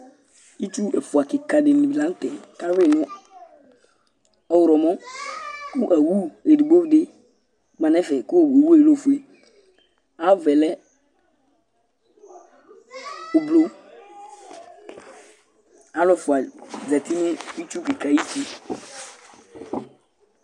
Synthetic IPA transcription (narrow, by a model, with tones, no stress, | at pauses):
i˦t͡ʃu˦ɛ˨fʊ˨a˨kɪ˨ka˨dɪ˨nɪ˨i˨lã˨˦tɛ˨ka˦we˦˨nʊ˦ | ɔ˦wʊ˨ɾɔ˨mɔ˦ | kʊ˦ʔa˨wu˦e˨di˨ɡ͡bo˦vdɪ˦ | mã˨nɛ̃˦fɛ˨kʊ˦˨we˨wu˦e˦˨lo˦˨fu˨e˨ | a˨˦vɛ˨lɛ˦ | o˨blo˦ | a˨˦lɛ˨fʊ˨a˨d͡zɛ˨ti˦nʊ̃˦i˦t͡ʃu˦kɪ˨ka˨i˦si˦